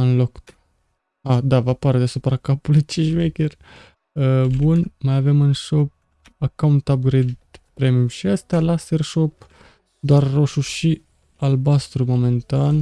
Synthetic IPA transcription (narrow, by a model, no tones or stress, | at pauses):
ɨnlok | ad̪avapaɾd̪easupɾakapulet͡ʃint͡ʃmekʲer | əbunmajave̞mɨnʃo̞p̚ | akawnt̪ap̚ɡɾed̪pɾemijumʃiəst̪ealaserʃo̞p̚ | d̪oarːo̞ʃuʃi | albast̪ɾumo̞me̞nt̪an